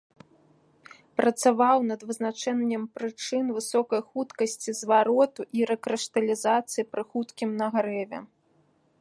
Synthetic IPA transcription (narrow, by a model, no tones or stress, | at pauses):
pɾɐt̪savawnɐd̪vɨznat͡ʂɛnʲːɛmpɾɨt͡ʂɨnvɨsɔkɐjxut̪kɐsʲt͡sʲizvaɾɔt̪uʔiɾɛkɾɛʂt̪ɐlʲizat̪sɨjipɾɨxut̪kʲimnɐɣɾɛvʲɛ̰